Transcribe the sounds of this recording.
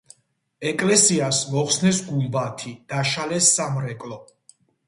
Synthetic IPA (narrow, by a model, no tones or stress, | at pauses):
ɛkʼlɛsiasmɔχsnɛsɡulˠbat̪ʰid̪̥aʃalɛsːamɾɛkʼlˠɔ